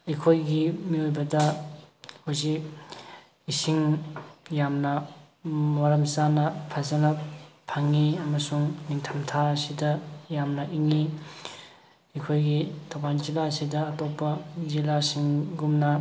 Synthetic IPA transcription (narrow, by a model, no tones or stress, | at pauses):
ikʰojɡimiojbɐdɐ | hozik | isiŋ | jamnɐ | moɾɐmsanɐpʰɐzɐnɐpʰːaŋːiɐmɐsuŋniŋtʰɐmtʰaɐsidɐjamnɐʔiŋi | ikʰojɡitʰawbanzilaɐsidɐɐtopːɐzilasiŋɡumnɐ